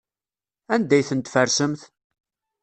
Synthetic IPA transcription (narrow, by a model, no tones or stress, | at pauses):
ænd̪æjθənt̪fəɾsəmθ